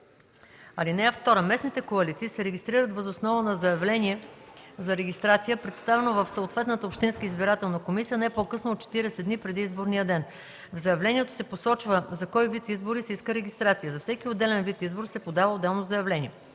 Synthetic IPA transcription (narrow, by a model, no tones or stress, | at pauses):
ɐlinɛɛft̪ɔɾəmɛsnit̪ɛkoɐlit̪siːsɛɾɛɡʲist̪ɾiɾət̪vəzosnɔvənɐzɐjɐvlɛniɛzɐɾɛɡʲist̪ɾat̪sijəpɾɛt̪st̪avɛnovəfsoot̪vɛt̪nət̪əopʃt̪inskəizbiɾat̪ɛlˠnɐkomisijənɛpokɤsnoːt̪̚t͡ʃɛ̥t̪iɾɛsɛd̪nipɾɛd̪iizboɾnijəd̪ɛn | vzɐjɐvlɛniɛt̪o̥sɛposɔt͡ʃvəzɐkɔjvit̪izboɾisɛiskəɾɛɡʲist̪ɾat̪sijəzɐfsɛkiod̪ɛlɛnvit̪izboɾisɛpod̪avəod̪ːɛlˠnozɐjɐvlɛniɛ